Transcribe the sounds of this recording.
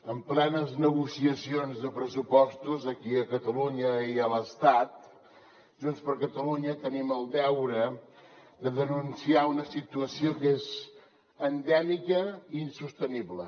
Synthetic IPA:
əmplɛnəznəɣusiəsionzðəpɾəsupɔst̪uzəkiəkət̪əluɲəiələst̪at̪ | ʒunspəɾkət̪əluɲət̪əniməlˠd̪ɛwɾə | d̪əðənunsiaunəsit̪uəsiokez | ənd̪ɛmikəiːnsust̪əniblə

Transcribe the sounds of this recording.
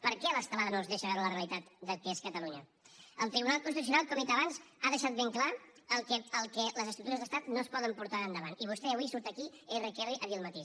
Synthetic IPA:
pəɾkɛələsk̪əlaðənozðeʃəɣaɾələreəlˠit̪at̪d̪əlkeskət̪əluɲə | əlˠt̪ɾiβunalˠkunst̪it̪usjunalˠkɔmd̪it̪əβanzaðəʃat̪̚beŋkla | əlˠkɛəlˠkɛləzəst̪ɾut̪uɾəzðəst̪at̪nospɔðəmpuɾt̪aənd̪əβ̞aniβ̞ust̪ɛəβuisuɾt̪əkierəkɛriʔəðiəlˠmət̪i

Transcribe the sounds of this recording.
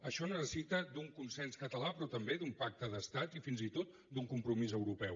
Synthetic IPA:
əʃɔnəsəsit̪əd̪uŋkunsɛnskət̪əlapɾɔt̪əmbed̪umpak̚t̪əðəst̪at̪ifinzit̪ot̪ | d̪uŋkumpɾumizəwɾupɛw

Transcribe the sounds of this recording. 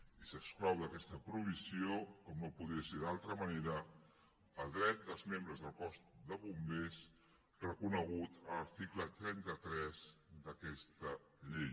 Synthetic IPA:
isəksklɔwðəkɛst̪əpɾuβ̞isiokɔmnopuðɾiəseðalˠt̪ɾəməneɾə | əlˠd̪ɾɛt̪̚d̪əlˠzmembɾəzðəlˠkɔst̪d̪əβumbes | rəkunəɣ̞ut̪ələɾt̪iklət̪ɾɛnt̪ət̪ɾɛzd̪əkɛst̪ə | ʎej

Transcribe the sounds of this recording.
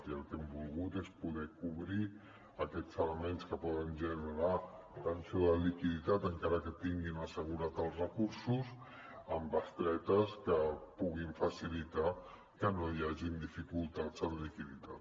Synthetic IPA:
t̪iəlˠkɛmbulˠɣut̪espuðɛkuβɾi | əkɛt͡sələmenskəpɔðənʒənəɾa | t̪ənsioðəlikiðit̪at̪əŋkaɾəkət̪iŋɡinəsəɣuɾat̪əlˠzrəkuɾsus | əmbəst̪ɾɛt̪əskəpuɣiɱfəsilit̪a | kənojaʒind̪ifikulˠt̪ad͡zənlikiðit̪at̪

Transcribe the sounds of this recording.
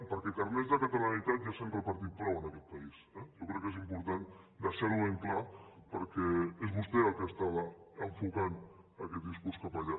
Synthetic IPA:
pəɾkɛkəɾnezðəkət̪əlanit̪at̪ʒasempɾəlˠpəɾt̪̬it̪̚pɾɔwənəkɛt̪̚pəisɛjowkɾɛkːezimpuɾt̪an | d̪əsɛɾueŋklapəɾkɛezβust̪eəlˠkeast̪aβəəɱfukan | əkɛt̪̚d̪iskuskəpaʎa

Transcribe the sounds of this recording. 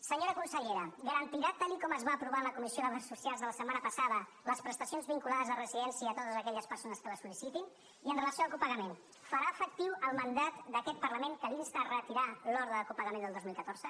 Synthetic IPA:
səɲoɾəkunsəʎeɾəɡəɾənt̪iɾat̪alikɔməzβaːpɾuβaləkumisioðəβasːusjalˠzðələsəmanəpəsaðə | ləspɾəst̪əsionzβiŋkulaðəzərəziðɛnsiəːt̪ot̪əzəkɛʎəspəɾsonəskələsulisit̪in | iənrələsioalˠkupəɣəmen | fəɾaəfək̚t̪iwəlˠmənd̪at̪d̪əkɛt̪̚pəɾləmeŋkəβinzt̪ərət̪iɾalɔɾðəðəkupəɣəmend̪əlˠd̪ozmilˠkət̪oɾzə

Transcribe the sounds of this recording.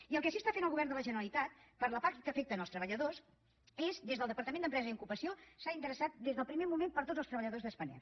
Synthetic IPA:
iəlˠkɛʃ̬iəst̪afenəlˠɣuβɛɾrnd̪ələʒənəɾəlit̪at̪̚pəɾləpakkəfek̚t̪ənəlˠst̪ɾəβəʎəðos | ezd̪ezðəlˠd̪əpəɾt̪əmẽnd̪əmpɾɛzziukupəsiosaint̪əɾəsat̪̚d̪ezðəlˠpɾimemumempəɾt̪odd͡zzəst̪ɾəβəʎəðozðəspənɛ̰

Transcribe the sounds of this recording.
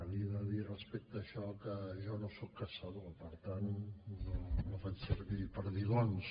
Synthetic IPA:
əβiəðəðirəspɛk̚t̪əːʃɔkəʒɔnosɔkːəsəðopəɾt̪annonofat͡ʃsəɾβipəɾðiɣons

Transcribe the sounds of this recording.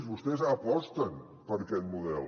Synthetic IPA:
zβust̪ɛzəpɔst̪ən | pəɾkɛt̪̚muðɛ̰l

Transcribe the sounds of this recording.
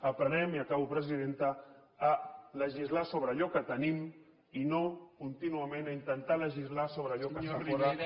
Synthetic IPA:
əpɾənɛmiəkaβupɾəziðent̪əː | ləʒizlasoβ̞ɾəʎɔkət̪ənim | inokunt̪inuəmenaint̪ənt̪aləʒizlasoβɾəʎɔkəsəfoɾə

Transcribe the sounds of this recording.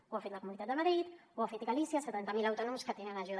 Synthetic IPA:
uafet̪ləkumunit̪at̪d̪əməɾɾit̪uafet̪iɣalisiasət̪ant̪əmilawt̪oɔnɔmskət̪eənaʒu

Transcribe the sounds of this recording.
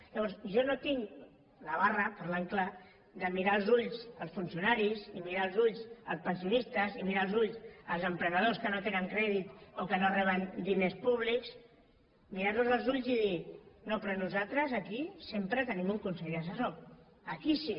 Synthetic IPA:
ʎaβɔɾsʒɔnot̪iŋ | laβ̞arəpəɾlaŋkla | ðəmiɾaəlˠzuʎsəlˠsfunsiunaɾizimiɾaːlˠzuʎzəlˠspənsiunist̪əzimiɾaːlˠzuʎzəlˠzəmpɾənəð̞oskənot̪enəŋkɾɛðit̪okənorɛβ̞ənd̪inespuβ̞liks | miɾaɾnuzəlˠzuʎziðinopɾonuzat̪ɾəzəkisempɾət̪ənimuŋkunsɛʎəsəso | əkisi

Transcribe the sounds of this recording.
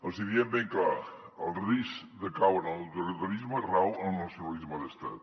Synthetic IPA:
əlˠsiðiembeŋkla | əlˠrisd̪əkawənəlwt̪ulit̪əɾizmərawəlˠnəsjunəlizməðəst̪a̰t̪̚

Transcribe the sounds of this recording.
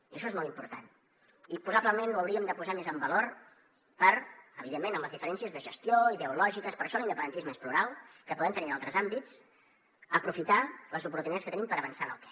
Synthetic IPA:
iəʃɔezmɔlˠimpṵɾt̪a̰n | ipuzaβləmenuəwɾiəmd̪əpuzamezəmbəloɾ | pəɾəβiðemːenəmləzðifəɾɛnsiəzðəʒəst̪joiðəulɔʒikəspəɾʃɔlˠinəpənənt̪izməespluɾalˠkəpuðɛmt̪əninalˠt̪ɾəzambit͡s | əpɾufit̪aləzupuɾt̪unit̪at͡sskət̪ənimpəɾəβənsanə̰lˠkɛ

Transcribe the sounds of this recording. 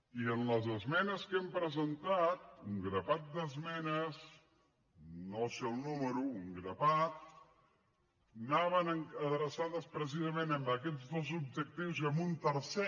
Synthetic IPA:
iənləzəzmɛnəskempɾəzənt̪at̪̚uŋɡɾəpat̪̚d̪əzmɛnəz | nosewnuməɾuːŋɡɾəpat̪̚ | naβənəŋəðɾəsaðəspɾəs̬izəmenəmbəkɛd͡zðozub̚d͡ʒək̚t̪iwzəmunt̪əɾsɛ

